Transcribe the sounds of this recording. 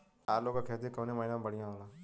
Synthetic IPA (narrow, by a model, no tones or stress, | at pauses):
aːɾloːkaːkʰeːt̪ikəːnẽːməɦiːnãbəɽ̤ɪjãːɦoːlaː